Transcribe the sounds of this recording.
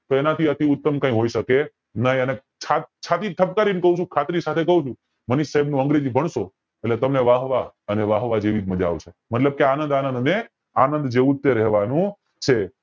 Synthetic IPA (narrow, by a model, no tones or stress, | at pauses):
t̪oenat̪ʰiət̪iʊt̪ːəmkãĩɦoiʃəke | nəɦĩəne | t͡ʃʰat͡ʃʰat̪it̪ʰəp̚kaɾinkəɦũt͡ʃʰũkʰat̪ɾisat̪ʰekəɦũt͡ʃʰũ | məniʃːaɦɛbnũəŋɡɾed͡ʒibʱəɳʃo | etlet̪əmneʋaɦʋaəneʋaɦʋad͡ʒeʋid͡ʒməd͡ʒa̰ʋt͡ʃʰemət̪ləb̚keanənd̪anənd̪ne | a̰nənd̪d͡ʒeũt̪ːeɾɛɦʋanũ | t͡ʃʰe